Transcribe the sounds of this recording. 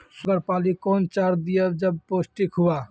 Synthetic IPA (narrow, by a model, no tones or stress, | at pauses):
sʊɡəɾpalikont͡ʃaɾd̪ijəd͡ʒəb̚posʈikɦua